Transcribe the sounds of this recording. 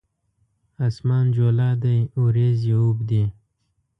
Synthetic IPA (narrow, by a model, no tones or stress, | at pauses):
asmɑːnd͡ʒolɑːd̪ajuɾezjaubd̪i